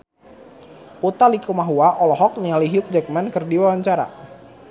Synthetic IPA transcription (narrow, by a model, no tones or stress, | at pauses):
put̪alikumaɦuaʔɔlɔɦɔk̚nialiɦʊk̚d͡ʒɛk̚mɛnkɨrdiwawaɲt͡ʃaɾa̰